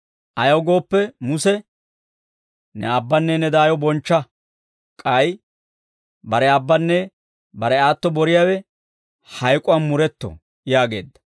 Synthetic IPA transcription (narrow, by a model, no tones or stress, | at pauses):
ʔɐjɐwɡo̞ːpːɛmʊsɛ | nɛ̰ɐbːɐnːɛnɛd̪aːjɔbɔnt͡ʃːɐ | kʼɐj | bɐɾɛɐbːɐnːɛ | bɐɾɛaːt̪ːɔbɔɾɪjawɛ | hɐjkʼʊɐnmʊɾɛt̪ːɔ̰ | jaːɡe̞̰ːd̪ːɐ̥